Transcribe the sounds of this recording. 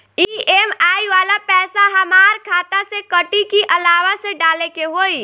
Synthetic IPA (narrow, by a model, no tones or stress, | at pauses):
iːemaːiʋaːlapɛːsaɦɐmaːɾkʰaːt̪asekɐʈikiʔɐlaːʋaseɖaːlekeɦoːi